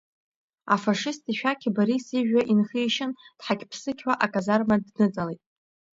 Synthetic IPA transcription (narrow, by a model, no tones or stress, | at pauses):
afaʂɪstʰiʃᶣakʲʰibaɾisiʒᶣaʔinχijʃɪnd̥ħakʲpʰsɨkʲʰwʷaʔakʼazarmadnɨt͡sʼalejtʼ